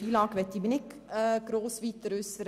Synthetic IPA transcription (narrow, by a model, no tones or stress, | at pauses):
iːlɑːkʋɛt̪ːibinikəkɾoːsʋit̪ɾʉsɾ